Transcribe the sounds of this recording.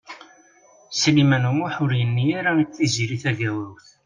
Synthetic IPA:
slimænumuħʊɾjənːiaɾaiːiziɾiθæʝæwæwθ

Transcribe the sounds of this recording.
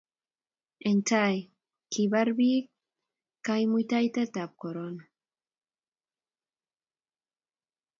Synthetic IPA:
ent͡saj | kiβaɾβik | kːajmujt̪ajt̪et̪ap̚koɾon

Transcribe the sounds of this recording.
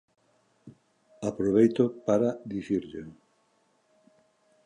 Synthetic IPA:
apɾoβejt̪opaɾaðiθiɾʎe

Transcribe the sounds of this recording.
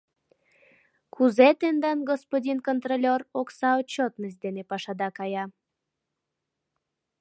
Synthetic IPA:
kuzet̪end̪ɑnɡospodʲinkont̪rolʲoroksɑot͡ɕːot̪nəsd̪enepɑʃɑd̪ɑkɑjɑ

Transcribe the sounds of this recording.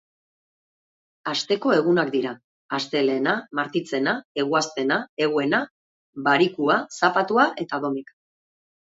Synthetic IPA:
ast̪e̞ko̞e̞ɣ̞unakd̪iɾaː | st̪e̞le̞ːnamaɾt̪it͡se̞nae̞ɣuast̪e̞nae̞ɣ̞ue̞na | baɾikuasapat̪uaʔe̞t̪aðo̞mik

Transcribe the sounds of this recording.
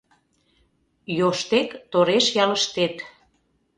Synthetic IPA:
joʃt̪ekt̪oɾeʃjɑləʃt̪et̪

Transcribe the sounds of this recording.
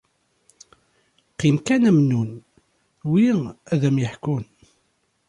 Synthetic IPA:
qimkænæmnun | wiæðæmjəħkun

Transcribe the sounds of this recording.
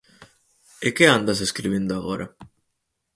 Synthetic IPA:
ekeand̪as̬eskɾiβind̪oaɣoɾʔa

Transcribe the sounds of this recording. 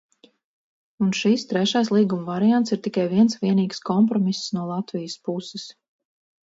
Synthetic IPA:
unʃist̪ɾɛʃaːslˠiːɡumvaɾijant̪siɾt̪ikajviɛnsviɛniːɡskɔmpɾɔmisːnuɔlˠat̪vijəspusɛs

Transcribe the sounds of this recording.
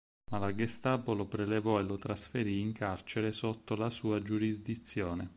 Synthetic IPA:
malaɡest̪aːpolopɾelevɔelot̪ɾasfeɾiːŋkart͡ʃeɾesot̪ːolasuːad͡ʒuɾizd̪it̪sːjɔːne

